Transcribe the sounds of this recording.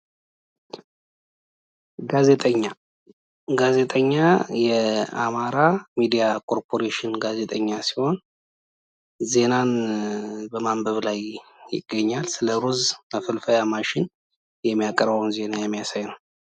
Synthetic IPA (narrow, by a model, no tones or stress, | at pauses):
ɡaze̞t̪ʼəɲːa | ɡaze̞t̪ʼəɲːajɛa̰maɾamid̪ijakʰʼo̞ɾpʰo̞ɾeʃɪnɡaze̞t̪ʼəɲːasi̥ho̞n | ze̞nan | bəmambəβlajjɪ̰ɡːəɲːalsɨləɾuzafəlfəjamaʃɪn | jɛmːijakʼəɾbəwnze̞najɛmːijasajnəw